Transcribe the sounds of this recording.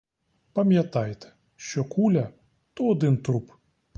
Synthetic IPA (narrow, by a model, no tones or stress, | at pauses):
pɐmʲjɐt̪ɑjt̪ɛ̥ | ʃt͡ʃɔkulʲɐ | t̪ɔɔd̪ɪnt̪ɾup